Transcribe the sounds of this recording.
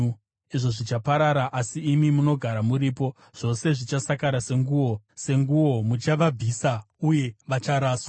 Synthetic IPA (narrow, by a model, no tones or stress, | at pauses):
iʐo̞ʐit͡ʃapaɾaɾaʔasiːmimuno̞ɡʱaɾamuɾiːpo̞ | ʐ̥o̞se̞ʐit͡ʃasakaɾase̞ŋɡuwo̞se̞ŋɡuwo̞mut͡ʃaʋab͡visa | uje̞ʋat͡ʃaɾaːswa